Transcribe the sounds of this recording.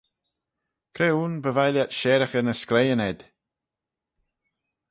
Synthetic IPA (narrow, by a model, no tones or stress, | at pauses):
kʰɾeːuːnbəvajljatʃɛːɾəxənəsklejənɛd̪̥